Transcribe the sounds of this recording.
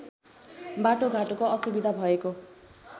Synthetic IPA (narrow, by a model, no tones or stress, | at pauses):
baʈoɡʱaʈokoʌsubid̪ʱabʱʌeko